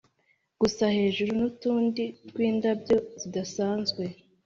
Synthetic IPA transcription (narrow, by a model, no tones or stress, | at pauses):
ɡ̥usahe̞ːʒuɾunutuːndiɾɡ̥wiːndabjo̞zidasaːnzɡwe̞